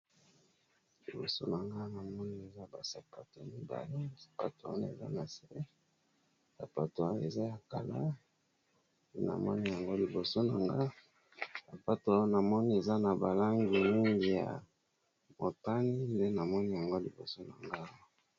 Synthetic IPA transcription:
li˨bo̰˨so̰˦na˨ŋɡa˦na˨mɔ˦ni˦e˨za˦ba˨sa˨pa˨to˨mi˦ba̰˨le˦sḁ˨pa˨to˨˦a̰˦na˨ḛ˨za̰˦na˨se˦ | sa˨pa˨to˨a˦e˨za˦ja˨ka˨la˦ | de˦na̰˨mɔ̰˦ni˦ja˨ŋɡo˦li˨bo˨so˦na˨ŋɡa˦ | sa˨pa˦to˨˦na˨mɔ˦ni˦e˨za˦na˨ba˨la˦ŋɡi˨mi˦ŋɡi˨ja̰˨ | mo˨ta˦ni˦nde˦na˨mɔ˦ni˦ja˨ŋɡo˦li˨bo̰˨so˦na˨ŋɡa˦

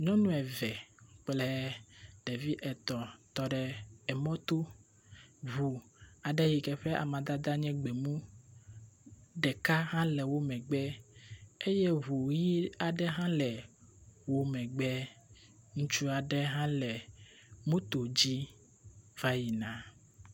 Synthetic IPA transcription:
ɲɔ̃˦nũ˦ɛ˨vɛ˨k͡plɛ˦ɖe˨vi˦ʔɛ˨t̪ɔ˨t̪ɔ˨ɖɛ˨ɛ˨mɔ̃˦t̪o˦ | βu˨a˨ɖɛ˦ji˨kɛ˨ɸɛ˦ʔa̰˨mã˨d̪a˦d̪a˦ɲɛ̃˦ɡ͡bɛ˨mũ˦ | ɖɛ˨ka˦ɦã˦lɛ˨wo˦mɛ̃˨ɡ͡bɛ˦ | e˦je˦βu˨ji˦a˨ɖɛ˦ɦã˦lɛ˨wo˦mɛ̃˨ɡ͡bɛ˦ | ŋũ˦t͡ʃu˦a˨ɖɛ˦ɦã˦lɛ˨ | mũ˦t̪o˨d͡ʑi˦ | va˦ji˨nã˨

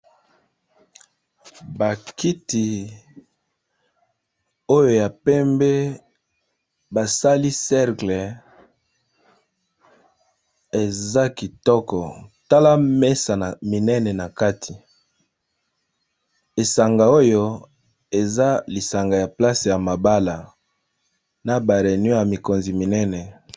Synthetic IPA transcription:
ba˨ki˦ti˨ | o˦jo˨ja˨pɛ˦mbe˦ | ba˨sa˦li˦sɛ˦ʁklɛ˨ | e˨za˦ki˨tɔ˦kɔ˨ta˦la˦me˦sa˨na˨mi˨nɛ˦nɛ˨na˨ka˦tʰi˨ | e˨sa˨ŋɡa˨o˦jo˦ | e˨za˦li˨sa˨ŋɡa˨ja˨pla˦se˨ja˨ma˨ba˦la˨ | na˨ba˨ʁe˨nɔ˦ja˨mi˨ko˨nzi˨mi˨nɛ˦nɛ˨

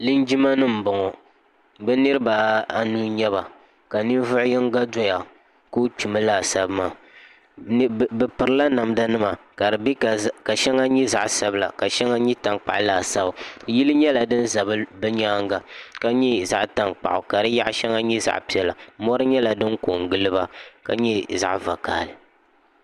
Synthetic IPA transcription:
li˦n˦d͡ʒi˦ma˦nɨ˦m̩˨bɔ˨ŋɔ˨ | bɛ˦nɨ˦ɾɨ˦ba˨a˨nuː˦ɲɛ˦ba˨ | ka˨ni˦n˦vʊ˦ʔʊ˦jɛ˦ŋ˦ɡa˦dɔ˦ja˨ | ko˦t͡ʃu˨mɨ˦laː˨sa˨bmaː˨˦ | ɛ˨pɨ˨ɾɨ˨˦la˦na˨m˦da˦nɨ˦ma˨ka˨dɨ˨bi˦kka˨ʃɛ˦ŋa˦ɲɛ˦za̰˨ʔsa˨bɨ˦la̰˨ka˨ʃɛ˦ŋa˦ɲɛ˦ta˨ŋk͡pa̰˨ʔlaː˨sa˦bji˦lɨ˦ɲɛ˦la˨dɨ˦n̩˦za˨bɨ˦bɨ˦ɲaː˦ŋɡa˨ka˦ɲɛ˦za˦ʔta˨ŋk͡pa̰˨ʔʊ˨ka˨ɾɨ˦ja˦ʔʃɛ˦ŋa˦ɲɛ˦za̰˨ʔpi˦ɛ˨la˨mɔ˦ɾɨ˦ɲɛ˦la˨dɨ˦ŋko˨ŋɡɨ˦lɨ˦ba˦ka˨ɲɛ˦za̰˨ʔva˨ka̰ː˨lɨ˨

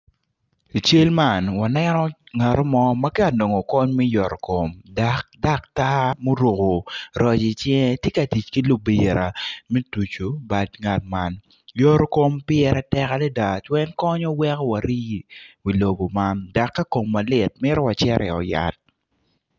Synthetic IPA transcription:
i˨t͡ʃe˦lma˦˨nwa˨nɛ˦nɔ˦ŋa˨ɾo˦mɔ˦ma˦kɛ˦a˨no˨ŋo˨kɔ˦ɲmɛ˦jɔ˨ɾko˨mda˨k̚da˦k̚ta˦mo˦ɾo˨ko˨ɾɔ˨d͡ʒɪ˨t͡ʃɛ˦ŋ˦tje˦ka˨ti˨t͡ʃki˦lo˨bi˨ɾa˨mɛ˦tu˨t͡ʃo˨ba˨dŋa˨t̚ma˦n | jo˦ɾko˦mpɪ˦ɛ˦ɾɛ˦tɛ˦ka˦lɛ˦da˨t͡ʃwɛ˦nkɔ˦ɲɔ˦wɛ˦kɔ˦wa˨ɾi˦˨wi˨lo˨ɡo˨ma˦nda˨kːa˦ko˨mːa˨lɪ˨t̚mɪ˦ɾɔ˦wa˨t͡ʃɛ˦ɾʔɛ˨ɔ̰˨ja̰˨t̚

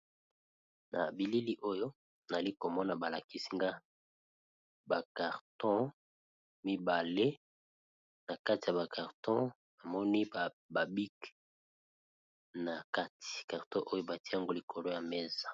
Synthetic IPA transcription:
na̰˨bi˨li˦li˦ʔo˦jo˦ | na˨a˨li˦ko˨mɔ˦na˨ba˨la˨ki˦si˦ŋɡa˦ | ba˨ka˨ʁtɔ̃˦ | mi˦ba˨le˦ | na˨ka˦ti˨ja˨ba˨ka˨ʁtɔ̃˦ | ba˨mɔ˦ni˦ | ba˨bi˦k | na˨ka˦tʰi̥˨ka˨ʁtɔ̃˦ʔo˦jo˦ba˨ti˦a˦ŋɡo˦li˨kʰo˨lo˦ja˨mɛ˦za˨

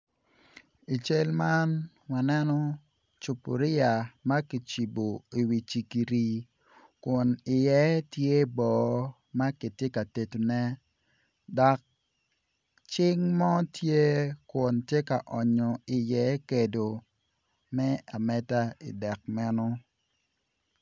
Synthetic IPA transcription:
i˨t͡ʃe˦lma˦n | wa˨nɛ˦nɔ˦ | t͡ʃu˨pu˨ɾi˦a˨ma˦ki˨t͡ʃi˨bo˨i˨wi˨t͡ʃi˨ki˨ɾi˨ | kʊ˨nɪ˨jɛ˦tje˦bɔː˨ | ma˦ki˨tje˦ka˨te˨to˨nɛ˦ | dɔ˨k̚ | t͡ʃɪ˦ŋmɔ˦tje˦kʊ˨ntje˦ka˨ʔɔ˨ɲɔ˨ɪ˨jɛ˦ke˨do˨ | mɛ˦a˨mɛ˦ta˦ḭ˨dɛ˨k̚mɛ˦nɔ˦

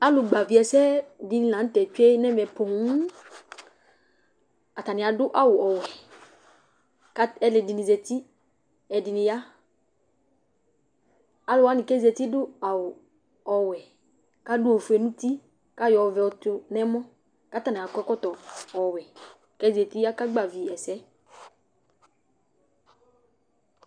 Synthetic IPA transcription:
a˦lʊ˨ɡ͡ba˨vi˨ɛ˨sɛ˦di˨nɪ̃˨lã˨n̩˦tɛ˨t͡ʃu˦e˦nɛ˦mɛ˨po˨ŋ˦ | a˨ta˨nɪ̃˨a˨dʊ˦ʔa˦wʊ˨ɔ˨wɛ˨ | ka˦ɛ˦lɪ˨dɪ˨nĩ˨ze˨ti˦ | ɛ˨dɪ˨nɪ̃˨ja˦ | a˦lʊ˨˦a˨˦nɪ˨kɛ˦zi˨e˨t̪i˦dʊ˦a˨wʊ˨ | ɔ˨wɛ˨ | ka˦dʊ˦o˨fu˨e˨nũ˦t̪i˦ | ka˦jɔ˨vɛ˨ɔ˨t̪ʊ˧nɛ˦mɔ̃˦ | ka˦t̪a˨ni˨a˨kɛ˦kɔ˦t̪ɔ˨ɔ˨wɛ˨ | kɛ˦ze˨t̪i˦ja˦ka˦ɡ͡ba˨vi˨ɛ˨sɛ˦

